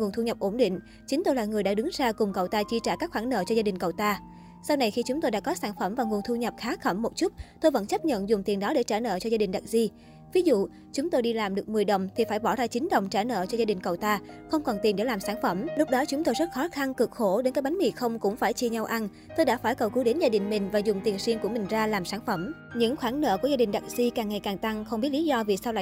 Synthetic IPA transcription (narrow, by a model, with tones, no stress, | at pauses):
ŋu˨˩ənt̪ʰu˧ɲə˨˩p̚ʔo˧˩nɗḭ̈˧˨ŋ̟ | t͡ɕï˨˦ŋ̟t̪o˧jlaː˨˩ŋɨ˨˩əjɗa̰ː˧˥ɗɨ˨˦ŋzaː˧kʊ˨˩ŋ͡mkə˨˩wt̪aː˧t͡ɕi˧t͡ɕaː˧˩kaː˦˥k̚xwaː˧˩nnə̰ː˧˨t͡ɕɔ˧zaː˧ɗï˨˩ŋ̟kə˨˩wt̪aː˧ | sa˧wna˨˩jxi˧t͡ɕʊ˨˦ŋ͡mt̪o˧jɗa̰ː˧˥kɔ˨˦saː˧˩nfə˧˩mvaː˨˩ŋu˨˩ənt̪ʰu˧ɲə˨˩p̚xaː˨˦xə˧˩mːo˨˩t̚t͡ɕu˦˥t̚t̪o˧jvə̰˧˥nt͡ɕə˦˥p̚ɲə̰˧˨nzʊ˨˩ŋ͡mt̪i˨˩nɗɔ˨˦ɗe˧˩t͡ɕaː˧˩nə̰ː˧˨t͡ɕɔ˧zaː˧ɗï˨˩ŋ̟ɗa˨˩t̚zi˧ | vi˨˦zṵ˧˨ | t͡ɕʊ˨˦ŋ͡mt̪o˧jɗi˧laː˨˩mɗɨ˨˩ək̚mɨ˨˩əjɗə˨˩wŋ͡mt̪ʰi˨˩faː˧˩jɓɔ˧˩zaː˧t͡ɕï˨˦ŋ̟ɗə̰˨˩wŋ͡mt͡ɕaː˧˩nə̰ː˧˨t͡ɕɔ˧zaː˧ï˨˩ŋ̟kə˨˩wt̪aː˧xə˧wŋ͡mkɔ˨˩nt̪i˨˩nɗe˧˩laː˨˩msaː˧˩nfə˧˩mlʊ˦˥k͡p̚ɗɔ˨˦t͡ɕʊ˨˦ŋ͡mt̪o˧jzə˦˥t̚xɔ˨˦xa˧nkɨ˨˩k̚xo˧˩ɗe˨˦nkaː˨˦jɓa˨˦ŋmḭ˧˩xə˧wŋ͡mkʊ̰˧˥ŋ͡mfaː˧˩jt͡ɕi˧ɲa˧wʔa˧n | t̪o˧jɗaː˧˥faː˧˩jkə˨˩wkɨ˨˦ɗe˨˦nzaː˧ɗï˨˩ŋ̟mï˨˩ŋ̟vaː˨˩zʊ˨˩ŋ͡mt̪i˨˩ənswi˧ənku˧˩əmï˨˩ŋ̟zaː˧laː˨˩msaː˧˩nfə˧˩m | ɲɨ̰˧˥ŋxwaː˧˩ŋnə̰ː˧˨ku˧˩əzaː˧ɗï˨˩ŋ̟ɗa˨˩t̚zi˧kaː˨˩ŋːa˨˩jkaː˨˩ŋt̪a˧ŋxə˧wŋ͡mɓi˦˥t̚li˨˦zɔ˧vi˨˩saː˧wlaː˧˨